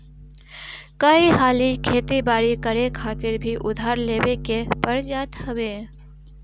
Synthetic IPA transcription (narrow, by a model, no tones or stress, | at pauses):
kəiɦaːlikʰeːt̪ibaːɾikəɾekʰaːt̪ɪɾbʱiʔʊd̪ʱaːɾleːwekepəɾd͡ʒaːt̪hɐweː